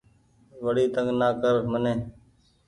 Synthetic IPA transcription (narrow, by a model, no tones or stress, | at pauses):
ʋəɽiːt̪əŋɡnaːkəɾmənẽː